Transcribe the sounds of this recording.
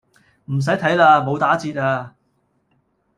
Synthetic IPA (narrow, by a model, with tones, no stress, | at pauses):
m̩˨˩s̬ɐ˨˥jt̪ʰɐ˨˥jlaː˧mo˨˧wt̪aː˨˥t͡siː˧t̚aː˧